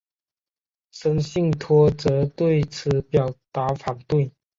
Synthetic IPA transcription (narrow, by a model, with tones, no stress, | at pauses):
ʂə˥ŋɕi˥˩ŋt̪ʰwɔ˥t͡sɤ˧˥t̪we˥˩ɪt͡sʰɹ̩˨˩˦pjɑ˨˩ʊt̪a˧˥fa˨˩ŋt̪we˥˩ɪ